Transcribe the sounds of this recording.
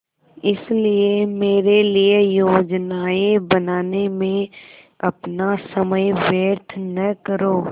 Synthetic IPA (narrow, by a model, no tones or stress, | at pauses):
ɪsliemeːɾeliejoːd͡ʒnaːebɐnaːnemẽ | ɐpnasɐməjʋjəɾt̪ʰnɐkəɾoː